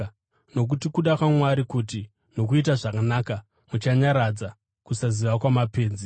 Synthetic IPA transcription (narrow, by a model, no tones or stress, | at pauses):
no̞k̬utikuɗakwamwaɾikuti | no̞kuit̬aʐakanaːka | mut͡ʃaɲaɾad͡za | kusaziʋakwamape̞ːnd͡zi